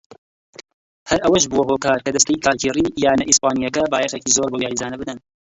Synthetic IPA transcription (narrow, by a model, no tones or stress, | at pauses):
hɐɾʔɐwɐʃ̬buwɐɦoːkaːɾkɐd̪ɐst̪ɐjikʰaːkʰirijaːnɐʔispaːnijɐkɐbaːjɛχecizoɾboːjaːɾizaːnɐbɨd̪ɐn